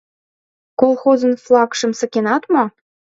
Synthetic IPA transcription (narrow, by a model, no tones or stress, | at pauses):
kolˠxozə̆nflˠɑkʃə̆msɤ̆kenɑt̪mo